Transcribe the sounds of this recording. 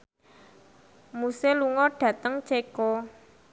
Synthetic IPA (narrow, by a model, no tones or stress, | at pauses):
museluŋɔɖ̥ä̤t̪əŋt͡ʃekɔ